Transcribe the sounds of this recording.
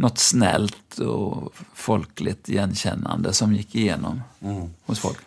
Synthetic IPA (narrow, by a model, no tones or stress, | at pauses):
nɔt̪ːsnɛlt̪ʰɔfɔlklɪt̪jɛnːɕɛnːand̪əsɔmjɪkːɪjeːnɔmhʊsfɔ̰lk